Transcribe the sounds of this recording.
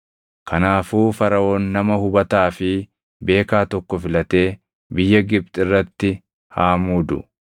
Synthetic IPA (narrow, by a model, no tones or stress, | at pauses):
kʰɐnaːfuːfɐɾɐʔoːnːɐmɐhʊbɐt̪aːfɪ | be̞ːkaːt̪ɔkːɔfɪlɐt̪e̞ː | bɪjːɐɡɪb̚t̪ʼɪrːɐt̪ːɪ | haːmuːd̪ʊ̰